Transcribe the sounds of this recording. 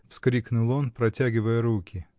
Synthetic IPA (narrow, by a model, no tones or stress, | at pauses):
fskɾʲiknʊlˠo̞npɾɐtʲæɡʲɪvəjəɾukʲɪ